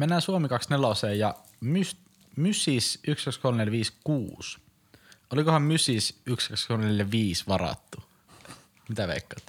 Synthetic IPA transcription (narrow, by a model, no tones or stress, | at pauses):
menːæːsuomikɑksneloseːjɑ | mys | mysisykskɑkskolmneljæʋiːskṵːs | ʔolikohɑmmysisykskɑkskolmneljæʋiːsʋɑɾɑ̰t̪ːu | mit̪æʋḛikːɑːˑt̪ː